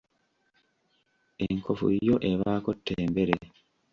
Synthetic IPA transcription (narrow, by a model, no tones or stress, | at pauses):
eŋkʰofṵjo̞ʔe̞βaːkotːeːmbe̞ɾe